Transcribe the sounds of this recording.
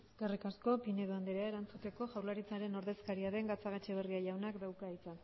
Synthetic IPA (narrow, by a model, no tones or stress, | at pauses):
eskerikasko̞pine̞ðoand̪eɾeaeɾant͡sut̪e̞ko̞ʝawlaɾit͡saɾe̞no̞ɾðe̞skaɾiaðe̞ŋɡat͡saɣ̞at͡ʃeβ̞eriaʝawnakd̪awkait͡sa